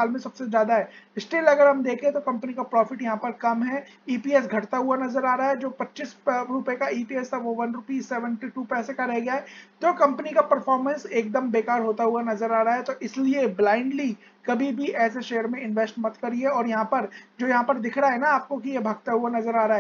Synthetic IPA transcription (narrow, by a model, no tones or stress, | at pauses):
aːlmẽsɐbsezjaːd̪aɦɛːɪsʈeːlɐɡəɾɦɐmd̪eːkʰẽt̪okɐ̃mpənikapɾɔːfɪʈjɐɦãpɐɾkɐmɦɛ | iːpiːɛs̬ɡʱɐʈt̪aɦʊanɐzəɾaːɾaɦɛd͡ʒoːpɐtːʃisɾʊpekaiːpiːɛst̪aʋoʋɐnɾʊpiːseːʋə̃nʈiʈuːpɛːsekaɾeɦɡɐjaɦɛːt̪oːkɐ̃mpənikapɐɾfɔːɾmə̃nseːk̚d̪əmbeːkaːɾɦoːt̪aɦʊanɐzəɾaːɾaɦɛt̪oʔɪslieblaːɪ̃ɳɖli | kɐbʱibʱiʔɛːseʃeːəɾmẽɪ̃nʋesʈmɐt̪kɐɾiɛɔːɾjɐɦãpɐɾd͡ʒoːjɐɦãpɐɾd̪ɪkʰɾaɦɛnaaːp̚kok̬ijebʱɐɡ̚t̪aɦʊanɐzəɾaːɾaɛː